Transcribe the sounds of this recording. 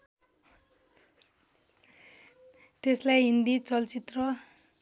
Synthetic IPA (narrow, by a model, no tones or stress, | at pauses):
t̪eslajɦind̪it͡sʌlt͡sit̪rʌ